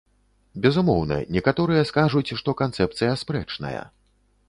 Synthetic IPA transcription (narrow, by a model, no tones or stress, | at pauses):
bʲɛzumɔwnɐ̰nʲɛkat̪ɔɾɨjɐskaʐut͡sʲʂt̪ɔkant̪sɛp̚t̪sɨjɐspɾɛ̰t͡ʂnɐ̰jɐ̰